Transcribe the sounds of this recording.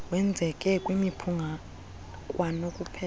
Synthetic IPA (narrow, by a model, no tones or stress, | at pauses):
wɛnd͡zʱɛkʼɛkʼwimipʰuŋʱa | kʼwʔanokʼupʰɛ